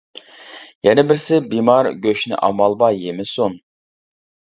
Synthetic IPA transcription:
jɛnɛbɪɾsɪbimɑɾɡʲøʃnɪ̰ʔɑ̰mɑlˠbɑjemɪson

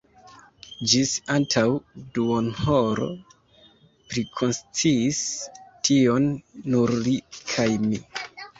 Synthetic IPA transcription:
d͡ʒisantʰawduonhoɾo̰ | pɾikʰo̞nst͡siːstʰionːuɾlikʰajmi

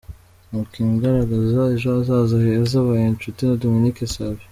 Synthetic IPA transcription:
mukiːŋɡaɾaɡazaeʒoazaːzaheazaβajent͡ʃutinadominikesaβi

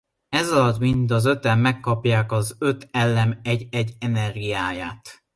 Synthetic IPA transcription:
ɛzɒlɒt̪mind̪ɒzø̞t̪ɛmːɛkːɒpjaːkɒzøt̪ɛlːɛmɛɟɛɟːɛnɛrɡijaːjaːt̪

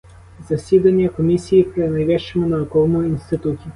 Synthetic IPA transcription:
zɐsid̪aniɛkomisiːpɾɛnajvɛʃɛmɛnaɔkɔlˠmɔinst̪it̪ut̪i

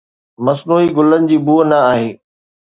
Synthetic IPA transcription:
mɐsnuːɦiɡʊlənɪ̆d͡ʑiːbuːənɐaːɦeː

